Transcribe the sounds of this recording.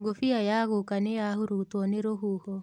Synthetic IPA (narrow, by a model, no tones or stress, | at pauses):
ɡofiajaɣukanejahuɾutwɔneɾoɦuhɔ